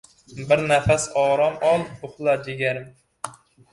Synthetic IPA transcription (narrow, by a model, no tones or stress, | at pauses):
bɪɾnɛfæsɑːɾɑmɑlˠʊχlˠɑd̪eɡʲɛɾm